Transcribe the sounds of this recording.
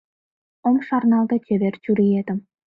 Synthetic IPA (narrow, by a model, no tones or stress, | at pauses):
omʃɑrnɑlˠd̪ɤt͡ɕeβert͡ɕuɾijed̪ɘ̆m